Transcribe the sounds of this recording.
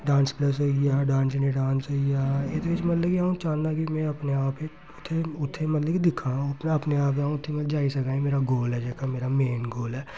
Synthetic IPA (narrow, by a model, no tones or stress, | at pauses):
ɖãːnspləs̬ɦoijaːɖãːnsneɖaːnsɦoijaːet̪ɾɪt͡ʃmɐt̪ləkiãːũt͡ʃaːnnakimɛ̃ɐpneaːpe | ʊt̪ʰːeʊt̪ʰːẽmɐt̪ləbkid̪ɪkʰãʊt̪nɐpneaːp̬ãːʊt̪ʰːẽmɐt̪əd͡ʒaːisɐkaːĩmeːɾaɡoːlɦɛd͡ʒɛːkameːɾameːnɡoːlɦɛː